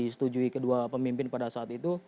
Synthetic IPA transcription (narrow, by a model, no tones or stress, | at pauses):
isə̥t̪ud͡ʒuikəduapəmimpɪnpadasaːt̪it̪u